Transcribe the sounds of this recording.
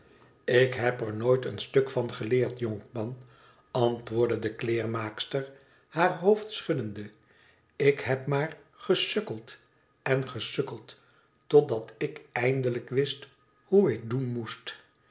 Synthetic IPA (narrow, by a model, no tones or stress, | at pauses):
ɪkɦɛpəɹnoːjtənstɵkfɑnχəlɪːɹtjɔŋkmɑn | ɑntʋʊːɹdədəklɪːɹmaːkstəɹ | haːɹɦowftsχɵdəndə | ɪkhɛpmaːr | χəsɵkəlˠt | ɛnχəsøkəlˠt | tɔdɑtɪkɛjndələkʋɪst | huɪk̚dunmust